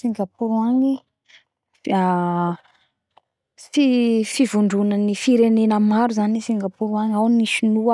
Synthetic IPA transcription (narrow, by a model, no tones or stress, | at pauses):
siŋɡapuɾuaŋi | a | fifivuɳɖ͡ʐunənifiɾenenəmaɾuzanisiŋɡapuɾuaŋawniʃinua